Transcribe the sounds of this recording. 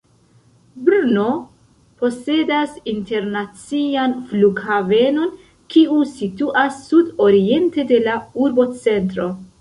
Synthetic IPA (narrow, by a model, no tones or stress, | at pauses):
bɾuno̞ | po̞se̞dasinte̞ɾnat͡sianfluɡhave̞no̞n | kiusituʔasːudo̞ɾie̞nte̞de̞lauɾbo̞t͡se̞ntɾo̞